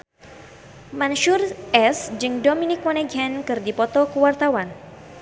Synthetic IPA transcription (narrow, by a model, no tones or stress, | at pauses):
manʃurʔɛsd͡ʒɨŋdominɪkwanɛɡɛnkɨrdipɔt̪ɔkəwart̪awan